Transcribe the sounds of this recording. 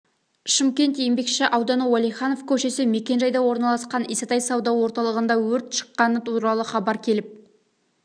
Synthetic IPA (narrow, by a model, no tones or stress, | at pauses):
ʃəmkʲe̞nt̪jembe̞kʃɪʔɑwd̪ɑnəwɑlijχɑno̞vkʲʰɵʃe̞sɪme̞kʲe̞nʒɑjd̪ɑwo̞ɾnɑlˠɑsqɑniset̪ɑjsɑwd̪ɑwo̞ɾt̪ɑlˠəʁənd̪ɑwɵɾt̪ʃə̥qːɑnət̪ʰuɾɑlˠəχɑbɑɾkʲʰe̞lɪp̚